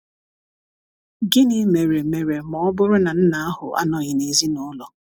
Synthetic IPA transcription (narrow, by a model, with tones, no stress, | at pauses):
ɡɪ˦nɪ˨˦me˨ɾe˨me˨ɾe˨mɔ˨ɔ˦bʊ˦ɾʊ˦na˨n̩˦na˨˦a˦hʊ˨ʔa̰˦nɔ˨ɣɪ˨ne˨zi˦nʊ˦lɔ˨